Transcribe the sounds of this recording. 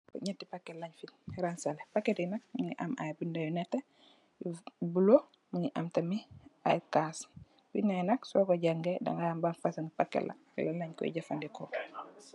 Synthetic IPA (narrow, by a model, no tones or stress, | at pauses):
ɲɛtːipakːɛlaɲfinɾansalepakːetinak̚muɲiʔa̰ma̰jbindajunɛtːɛ | bulo | muɲiʔamtɐmia̰jkas | binanɐksɔkɔɟaŋɡɛda̰ŋajambanfasaŋpakːɛ̰la̰ | lalaɲkɔ̰jḭɟafandikɔ